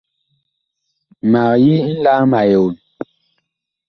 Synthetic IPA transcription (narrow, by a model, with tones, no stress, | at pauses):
ma˨ji˦n̩˦la˦ma˨jo˨n